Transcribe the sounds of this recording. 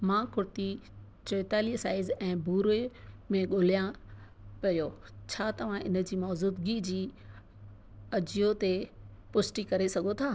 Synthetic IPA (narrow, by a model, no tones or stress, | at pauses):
mãːkʰʊɾt̪i | t͡ɕoːt̪aːlisaːɪzɛ̃ːbuːɾemẽɠoːlijã | pɐjo | t͡ɕʰaːt̪ɐʋ̤ãʔɪ̰nə̆d͡ʑiːmɔːzuːd̪ɡid͡ʑiː | ɐd͡ʑijot̪e | pʊsʈikɐɾesɐɡʱot̪ʰaː